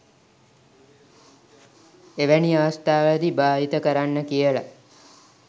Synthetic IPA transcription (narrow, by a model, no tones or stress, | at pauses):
eʋæniaːst̪aːʋəɭəd̪ibaːɦit̪əkəɾanːəkijəla̰